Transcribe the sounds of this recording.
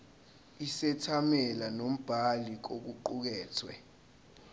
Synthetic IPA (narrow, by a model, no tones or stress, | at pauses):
isɛtʰamɛlanom̩b̥ʱalik̬ok̬uǃuk̬ɛːtʰwɛ